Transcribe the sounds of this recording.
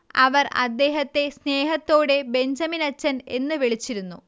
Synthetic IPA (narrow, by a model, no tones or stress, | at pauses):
ɐʋɐrɐ̰d̪ːe̞ːɦɐt̪ːe̞sne̞ːɦɐt̪ːo̞ːɽe̞be̞ɲd͡ʑɐminɐt͡ɕːɐne̞nːɨʋeɭit͡ɕːiɾunːu